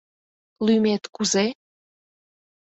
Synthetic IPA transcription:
lymet̪kuze

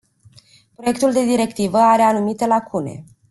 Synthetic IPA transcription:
pɾo̞je̞kt̪uld̪e̞d̪iɾe̞kt̪ivəaɾe̞anumit̪e̞lakʰune̞̰

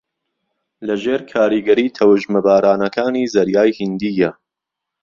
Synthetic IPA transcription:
lɐʒeːɾkʰaːɾiɡɐɾiːt̪ʰɐwəʒmɐbaːɾaːnɐkʰaːniːzɐɾjaːjhind̪iːjɐ

